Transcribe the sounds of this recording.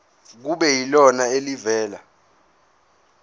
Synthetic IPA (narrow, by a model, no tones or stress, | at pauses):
k̬uɓɛjilɔnaelivɛːla̰